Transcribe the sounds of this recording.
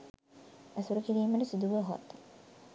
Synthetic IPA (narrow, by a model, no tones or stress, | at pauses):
æsuɾukiɾiːməʈəsid̪uʋəɦo̰t̪ː